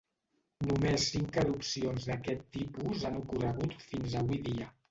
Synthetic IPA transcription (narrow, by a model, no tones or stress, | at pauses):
numesːiŋkəɾupsionzðəkɛt̪ːipuzanukurəɣ̞ut̪finzəβujðiə